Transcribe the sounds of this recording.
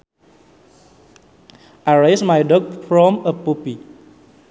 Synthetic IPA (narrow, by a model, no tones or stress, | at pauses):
ʔaɹejsmajdɔk̚fɹɔ̃məpupi